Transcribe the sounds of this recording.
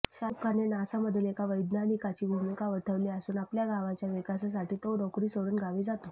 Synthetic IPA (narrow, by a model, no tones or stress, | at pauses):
ɕap̚kʰanenasaməd̪ʱːunekaʋəjd̪nanikat͡ɕiːbʱumikaʋət̪ʰəʋliːəsuːnapljaɡʱaʋat͡ɕjaʋikas̬as̬aʈiːt̪oɖɔkɾiːsoɽuːnɡʱaʋiːd͡zat̪o